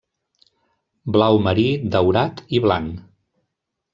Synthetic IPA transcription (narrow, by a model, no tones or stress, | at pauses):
blawməɾid̪əwɾat̪iβlaŋ